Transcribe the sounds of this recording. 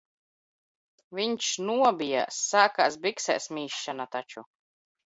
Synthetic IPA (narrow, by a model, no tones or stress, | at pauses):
viɲʃnuɔbʲija̰sːaːkaːsbiksɛ̰ːsmʲiːʃːanat̪at͡ʃu